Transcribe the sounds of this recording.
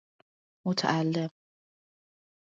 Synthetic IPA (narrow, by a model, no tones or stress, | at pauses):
mot̪ʰa̰ʔalːem